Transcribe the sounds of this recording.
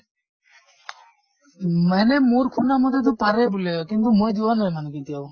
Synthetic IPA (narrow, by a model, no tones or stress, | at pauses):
manemoɾkʰunamɔt̪et̪̬ɔpaɾebulekint̪umojd͡ʒ̪uwanɔjmankit̪iaw